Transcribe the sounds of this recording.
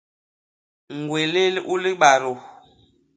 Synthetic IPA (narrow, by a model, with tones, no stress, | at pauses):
ŋ˨ɡwe˨le˦lʔu˦li˦ɓa˨ɾo˨